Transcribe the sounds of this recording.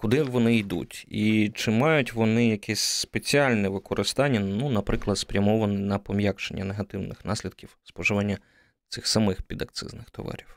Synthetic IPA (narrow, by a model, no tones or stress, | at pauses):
kʊd̪ɪʋɔnɪid̪ṵtʲit͡ʃɪmɑjʊtʲʋɔnɪjɐkʰɛsʲspet͡sʲiɑlʲnɛʋɪkɔɾʔɪst̪ɑnʲːɐnunɐpɾɪklˠɐd̪spɾʲɐmɔʋɐnɪnɐpɔmjakt͡ʃḛnʲːɐneɦɐt̪ɪwnɪxnɑsʲlʲid̪̚kʲiwspɔʒɪʋɑnʲːɐ | t̪sɪxsɐmɪxpʲid̪ɐk̚t̪sɪ̰znɪxt̪ɔ̰ʋɑ̰ɾʲiw